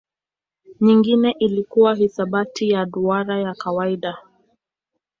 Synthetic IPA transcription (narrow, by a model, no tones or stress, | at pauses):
ɲiŋɡinɛʔilikuwaɦisaɓatijaɗuaɾajakawaiɗa